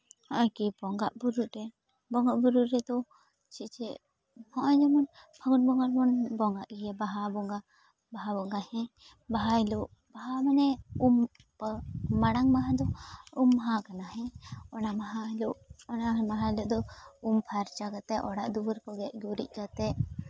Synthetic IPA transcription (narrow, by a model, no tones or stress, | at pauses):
hɔ̃ʔɔkibɔŋɡaʔbuɾuʔɾɛ | bɔŋɡaʔbuɾuɾɛd̪ɔ | t͡ʃit͡ʃɛʔ | hɔ̃ʔɔd͡ʒɔmɔnpʰaɡun̚bɔŋɡaɾmɔnbɔŋɡaʔɡɛjabaɦabɔŋɡa | baɦabɔŋɡahɛ̃ | baɦailuʔ | baɦamanɛum | pmaɽaŋmaɦãd̪ɔumːɦãkanaɦɛ̃ɔnamaɦaluʔɔnamaɦaluʔd̪ɔumpʰaɾt͡ʃakat̪ɛʔʔɔɽaʔd̪uwəɾkɔɡɛʔɡuɾḭc̚kat̪ɛʔ